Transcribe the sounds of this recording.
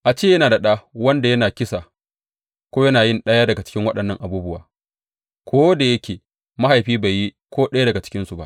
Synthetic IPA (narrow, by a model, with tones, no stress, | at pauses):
ʔa˨t͡ʃeː˦jɐ˦naː˨da˨ɗaː˦wɐ˦nda˨jɐ˦naː˨kʲɪ˦sa˨ | kʷoː˦jɐ˦naː˨jɪ˦˨nɗɐ˦jaː˦dɐ˨ɡa˨t͡ʃɪ̥˦kʲɪ˦ŋwɐ˦ɗɐ˨nːɐ˦˨ŋʔa˨buː˦bʊ˦waː˨ | kʷʰoː˦da˨jɐ˦kʲeː˨ | ma˦ɦa˨jɸiː˦ba˨ji˦ | kʷoː˦ɗɐ˦ja˦dɐ˨ɡa˨t͡ʃɪ̥˦kʲɪ˦nsu˨ba̰˦ʔ